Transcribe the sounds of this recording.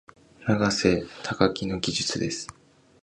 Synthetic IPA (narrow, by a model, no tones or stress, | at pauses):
naɡase̞t̪ʰakakʲino̞ɡʲiʑɨt͡sɨd̪e̞sɨ̥